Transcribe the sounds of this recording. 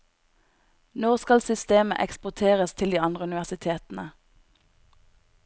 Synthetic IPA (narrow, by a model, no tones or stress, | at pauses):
noːʁskɑlsʏst̪eːmə̰ʔɛkspʊʁt̪ʰeːʁəst̪ʰɪld̪iːɑnd̪ʁəʉnɪʋæʁsɪt̪ʰeːt̪n̩ə